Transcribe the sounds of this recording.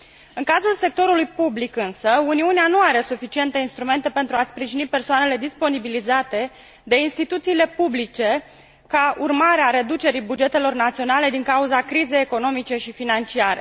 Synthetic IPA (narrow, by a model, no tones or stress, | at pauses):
ɨŋkazulse̞k̚t̪o̞ɾulujpublikɨnsəuniuneanuaɾe̞sufit͡ʃie̞nt̪e̞inst̪ɾume̞nt̪e̞pe̞nt̪ɾuaspɾiʒinipe̞rsoane̞le̞d̪ispo̞nibilizat̪e̞ | d̪e̞inst̪it̪ut̪siːle̞publit͡ʃe̞ | kaurmaɾeaɾe̞d̪ut͡ʃe̞ɾibud͡ʒe̞t̪e̞lo̞rnat̪sio̞nale̞d̪iŋkauzakɾize̞jeko̞no̞mit͡ʃe̞ʃifinant͡ʃiaɾe̞